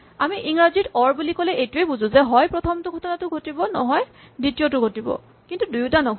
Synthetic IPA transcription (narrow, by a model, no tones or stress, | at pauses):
amiʔiŋɹazitɔɹbulikɔlɛʔejtuejbuzʊ̃zɛɦɔjpɹɔtʰɔmtʊɡʱɔtɔnatʊɡʱotibɔnɔ̰ɦɔjditijotʊɡʱotibɔ̰ | kintudujutanɔ